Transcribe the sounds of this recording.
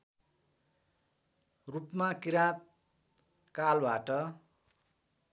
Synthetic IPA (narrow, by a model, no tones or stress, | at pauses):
rupmakiɾãt̪̚ | kalbaʈʌ